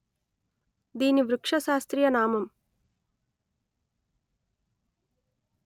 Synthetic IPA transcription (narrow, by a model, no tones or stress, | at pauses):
d̪iːniʋɾukʂɐʃaːst̪ɾijɐnaːmɐm